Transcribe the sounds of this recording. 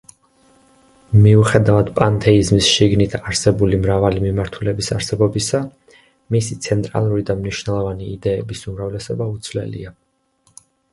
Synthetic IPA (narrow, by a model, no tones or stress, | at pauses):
miuχɛd̪avad̪̥pʼant̪ʰɛizmisʃiɡnit̪ʰaɾsɛbulimɾavalimimaɾt̪ʰulɛbisaɾsɛbɔbisa | misit̪sʰɛnt̪ʼɾa̰lˠuɾid̪amniʃwnɛlˠɔvaniːd̪ɛːbisumɾavlɛsɔbaut̪sʰvlɛ̰lḭa